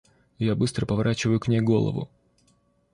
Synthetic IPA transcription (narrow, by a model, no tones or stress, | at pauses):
jabɨst̪ɾəpəvɐɾʔat͡ɕɪvəjʊknʲejɡo̞lˠə̰vʊ̰